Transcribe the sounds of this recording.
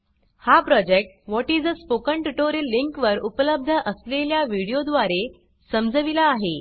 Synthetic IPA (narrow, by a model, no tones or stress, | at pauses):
hapɾɔd͡ʑek̚ʈ̚ʋɔʈid͡zəspokəɳʈuʈoɾəlːiŋkʋəɾupələb̚d̪ʱəʔəsleljaʋiɽijod̪ʋaɾe | səmd͡zəʋilaːɦe